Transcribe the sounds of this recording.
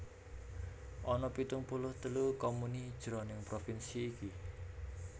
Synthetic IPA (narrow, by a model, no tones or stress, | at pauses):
ʔɔnɔpit̪ʊŋpulʊht̪əlukɔmunid̥ʒ̥ɾonɪŋpɾofinsiːki